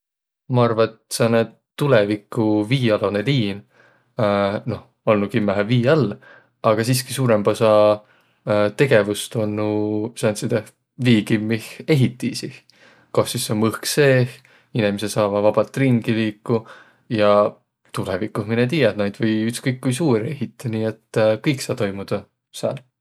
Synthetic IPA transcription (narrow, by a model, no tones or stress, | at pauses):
mɑɑrvɑet̪sɑne | t̪ːulevikːˑuviːɑloneliːn | no̞h | olnukimːæɦviːɑlː | ɑɡ̥ɑsiːskisuːɾembosɑ | t̪e̞ɡ̥e̞vust̪onːusɑnt̪sid̪eh | viːɡ̥immːihe̞ɦit̪ːisih | koht̪sisːomɯhkse̞ːh | inemisesɑːvɑvɑb̥ɑt̪ːˑrinɡ̥iliːkːu | jɑ | t̪ulɛvikːˑusminet̪̬iːjɑt̪nɑjd̪vɤjyt̪skɤjkːujsuːɾeɦit̪ːˑiniːet̪ːkɤjksɑːt̪o̞jmud̪̥ɑ | sɑ̰ːl